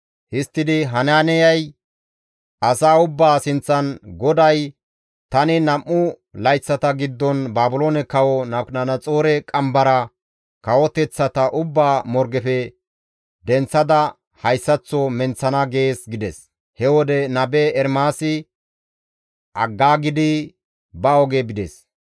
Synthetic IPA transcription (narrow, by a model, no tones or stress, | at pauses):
hɪst̪ːɪd̪ɪɦɐnaːnɛjɐj | ʔɐsaːʊbːaːsɪnt͡sːɐnɡɔd̪ɐj | t̪ɐnɪnɐmːʊ | lɐjt͡sːɐt̪ɐɡɪd̪ːɔnbaːbʊloːnɛkɐwɔnɐnɐnɐt͡sʼo̞ːɾɛkʼɐmbɐɾɐ | kɐwɔt̪ɛt͡sːɐt̪ɐʔʊbːaːmɔɾɡɛfɛ | d̪ɛnt͡sːɐd̪ɐ | hɐjsːɐt͡sːɔmɛnt͡sːɐnɐɡe̞ːsɡɪd̪ɛs | hɛwɔd̪ɛnɐbɛɛɾmaːsɪ | ʔɐɡːaːɡɪd̪ɪ | bɐɔɡebɪd̪ɛs